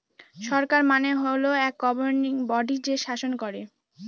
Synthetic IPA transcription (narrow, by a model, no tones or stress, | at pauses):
ʃɔɾkaɾmaneɦoloɛk̚ɡɔboɾniŋbɔɖid͡ʑeʃaʃonkoɾe